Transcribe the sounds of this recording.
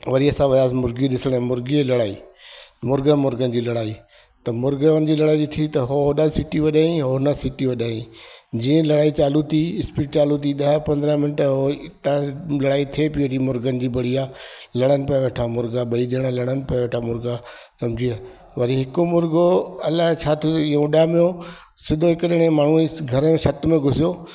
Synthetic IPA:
ʋɐɾiɐsãʋɐjaːzmʊɾɡiɗɪsəɽ̃ɛ̃mʊɾɡielɐɽaːiːmʊɾɡənmʊɾɡənɪ̆d͡ʑiːlɐɽaːi | t̪ɐmʊɾɡəʋənɪ̆d͡ʑiːlɐɽaːiɗɪt̪ʰit̪ɐɦonəsɪʈiʋɐɗaːĩɦonəsɪʈiʋɐɗaːĩd͡ʑiːə̃lɐɽaːit͡ɕaːlut̪iɪspiːʈt͡ɕaːlut̪̬iɗɐɦpɐ̃nd̪əɾəmɪnəʈɦoɪt̪alɐɽaːit̪ʰiepiʋoɾimʊɾɡənɪ̆d͡ʑiːbɐɽ̤iaːlɐɽ̤̃ənɪ̆pɐjʋeʈʰamʊɾɡaɓɐiʄəɽ̃əlɐɽ̃ənɪ̆pɐaʋeʈʰamʊɾɡa | sɐmd͡ʑʱia | ʋɐɾiɦɪkomʊɾɡoɐlaɦt͡ɕʰaːt̪ʰijoiũɗaɦmɪjo | sɪd̪ʱoɦɪkəɗɪɽ̃ẽmaːɳ̤ũiɡʱɐɾəmẽʃɐt̪mẽɡʱʊsijo

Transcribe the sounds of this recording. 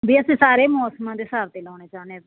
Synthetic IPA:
biːəsĩːsaːɾeːmɔːsmãːd̪eːsaːɾt̪eːlaːneːt͡ʃaːne

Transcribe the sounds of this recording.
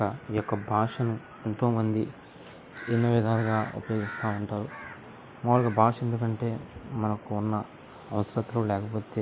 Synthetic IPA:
ɐjɔkːɐbʱaːʂɐnu | e̞nt̪o̞ːmɐnd̪i | t͡ʃinːɐʋid̪ʱaːɾɡaːṵpɐjo̞ːɡist̪aːuɳʈaːɾu | mɐʋlɐɡɐbʱaːʂɐe̞nd̪ukɐɳʈe̞ːmɐnɐkuunːɐː | ʋɐsɐɾɐt̪ːloːlɛːkɐpo̞ːt̪eː

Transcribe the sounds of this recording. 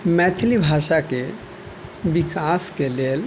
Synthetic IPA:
mɛːt̪ʰlibʱaːʃake | bikaːskeleːl

